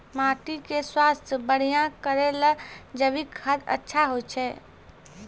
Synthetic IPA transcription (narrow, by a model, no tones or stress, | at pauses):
maːʈikeswaːst̪ʰjəbəɽ̤ijãkəɾeləd͡ʒəbikʰat̪ə̰tːʃʰaɦot͡ʃʰɛː